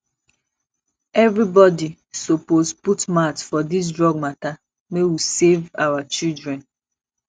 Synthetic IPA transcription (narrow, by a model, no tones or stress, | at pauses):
ɛvɾibɔdi | soposputmatfɔdis̬dɹɔɡ̚mata | mewisevawat͡ʃildɹɛ̃n